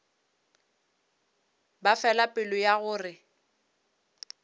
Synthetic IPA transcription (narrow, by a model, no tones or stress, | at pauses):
bafɛlapʼɪlʊjaɣʊːrɪ